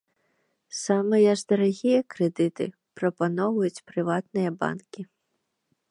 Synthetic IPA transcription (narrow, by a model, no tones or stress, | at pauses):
samɨjɐʐd̪ɐɾaɣʲijɐkɾɛd̪ɨt̪ɨ̰ | pɾɐpanɔvɐjut͡sʲpɾɨvat̪nɨjɐba̰nkʲi